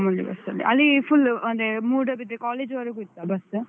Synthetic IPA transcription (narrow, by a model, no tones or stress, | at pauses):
mɐllḭbɐ̰sɐlːḭʔɐlːipʰulɐnd̪emuːɖɐbid̪ɾekaːleːd͡ʒʋɐɾekuit̪ːabɐs